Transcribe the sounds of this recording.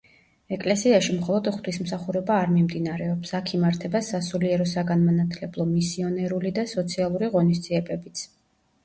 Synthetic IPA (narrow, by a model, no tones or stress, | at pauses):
ɛkʼlɛsiaʃimχɔlˠɔd̪χt̪ʰwismsaχuɾɛbaːɾmimd̪inaɾɛɔpsakʰimaɾt̪ʰɛbasasuliɛɾɔsaɡanmanat̪ʰlɛblˠɔmisiɔnɛɾulid̪asɔt̪sʰialˠuɾiʁɔnis̬d̪z̥iɛbɛbit̪sʰ